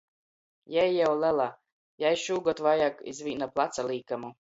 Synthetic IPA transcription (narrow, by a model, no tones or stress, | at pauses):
jɛjːawlælˠa | jajʃuːɡɔt̪vajakḭzvʲiːnaplˠat̪salˠiːkamu